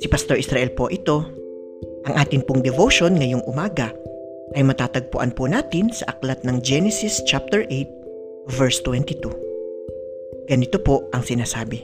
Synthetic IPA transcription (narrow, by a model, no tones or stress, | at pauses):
sɪpɐst̪oɹʔɪsɾaʔɛlpo̞ʔɪt̪o̞ | ʔɐŋʔaːt̪ɪnpʊŋd̪ɛvoʃo̞nŋɐjo̞ŋʔʊmaːɡɐ | ʔɐjmɐt̪aːt̪ɐɡ̚pʊʔɐ̰npʊnaːt̪ɪnsɐʔɐklɐt̪̚nɐŋd͡ʒɛnɛsɪst͡ʃap̚t̪ɛɹʔejt̪̚ | vɛɹst̪wɛnt̪it̪u | ɡ̥ɐnɪt̪o̞po̞ʔʔɐŋsɪnaːsaːbɪ